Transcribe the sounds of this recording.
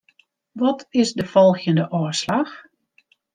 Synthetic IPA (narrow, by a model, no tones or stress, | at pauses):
ʋɔtʰɪsdəfɔlˠɣjəndəʔɔslax